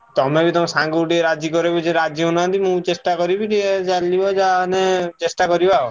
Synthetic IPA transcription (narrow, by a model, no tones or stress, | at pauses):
t̪ɔmebit̪ɔmesãŋɡuʈieɾad͡ʒikɔɾebud͡ʒeɾad͡ʒjiɦunant̪imũt͡ʃesʈakɔɾibiʈiet͡ʃaliɔd͡ʒanet͡ʃesʈakɔɾibao